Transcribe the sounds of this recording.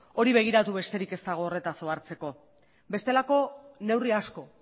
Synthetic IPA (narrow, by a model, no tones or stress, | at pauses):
o̞ɾiβe̞ɣ̞iɾat̪uβe̞st̪e̞ɾike̞st̪aɣ̞o̞ːre̞t̪aso̞aɾt͡se̞ko̞ | be̞st̪e̞lako̞ne̞wriasko̞